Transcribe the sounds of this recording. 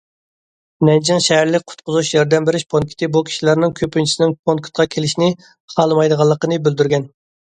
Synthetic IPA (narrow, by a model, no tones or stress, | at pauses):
nɛnd͡ʒɪŋʃɛɦæɾlɪk̚ʲqʰʊ̥t̪̚qʰʊzuʃjɛɾd̪ɛmbeɾɪʃpʰonŋkʲʰi̥t̪ʰɪbukʲʰi̥ʃilæɾnɪŋkʲʰøpynt͡ʃʰisɪnɪŋpʰoŋkʲʰɪ̥t̪̚qʰɑkʲʰelɪʃnɪ | χɑlˠmɑjd̪əʁɑlˠːəqənɨbyld̪yɾɡʲɛn